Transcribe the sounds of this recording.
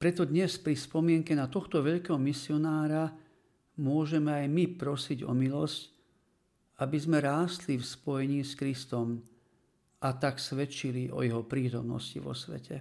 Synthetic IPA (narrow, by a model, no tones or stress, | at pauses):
pɾɛt̪ɔd̪ɲɛspɾispɔmɪɛŋkɛnat̪ɔxt̪ɔʋɛʎkɛɦɔmisiɔnaːɾa | mʊɔʒɛmɛajmipɾɔsiɟɔ̰milɔsc | abizmɛɾaːst̪lifspɔjɛɲiːskɾist̪ɔm | at̪aksʋɛt͡ʃiliʔɔ̰jɛɦɔpɾiːt̪ɔmnɔ̰scḭʋɔ̰sʋɛ̰cʰɛ